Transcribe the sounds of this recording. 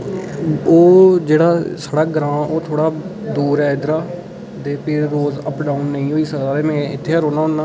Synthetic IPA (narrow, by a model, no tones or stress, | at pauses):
oːd͡ʒeːɽaːsaːɽaːɡəɾãːoːt̪ʰoːɽaːd̪uːɾɛːd̪ɾaː | d̪eːpʰɪɾːoːzəpɖaːunːəĩːɦoːiːsəaːɾeːmɛ̃ːɪt̪ʰːeːɦəɾoːnaːɦonːaː